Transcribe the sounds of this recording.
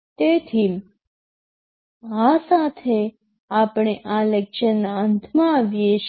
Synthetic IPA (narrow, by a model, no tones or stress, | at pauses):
t̪et̪ʰim | ãsat̪ʰe | apɳ̃eʔãlekʃənːaənt̪ʰmãːʋjeʃ